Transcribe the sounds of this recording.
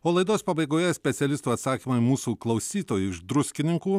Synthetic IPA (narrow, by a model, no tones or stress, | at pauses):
oːlˠɐɪd̪oːspɐbɐɪɡoːjɛsʲpʲɛt̪sʲɛlʲɪst̪uːɐt̪sɑːkʲiːmɐɪmuːsuːklˠɐʊsʲiːt̪oːjuːɪʃd̪ɾʊsʲkʲɪnʲɪŋkuː